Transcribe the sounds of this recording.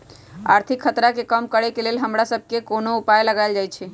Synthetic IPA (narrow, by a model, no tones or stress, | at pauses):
a̰ːɾt̪ʰɪkʰːət̪ɾakekəmkəɽekelelɦəmɾasəb̚ʱkekonoupajləɡaɪld͡ʒajt͡ʃʰe